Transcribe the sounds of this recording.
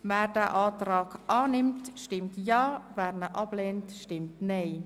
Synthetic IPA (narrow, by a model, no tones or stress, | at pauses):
mɛːrdɛːʔaːtraːkʔaːnɪmtʃtɪmtjɑːvɛːɾnəʔɑb̥leːntʃtɪmtneː